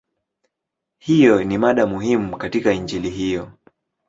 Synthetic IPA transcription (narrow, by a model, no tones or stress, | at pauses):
hijɔnimaɗamuhimukatikaind͡ʒiliɦijɔ